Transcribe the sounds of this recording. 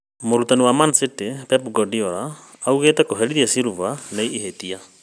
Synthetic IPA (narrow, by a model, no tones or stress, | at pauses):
moɾutaniwamansetepɛpɡɔdiɔɾaːuɣetɛkoɦɛɾiðiasiɾuvaneiːɦetia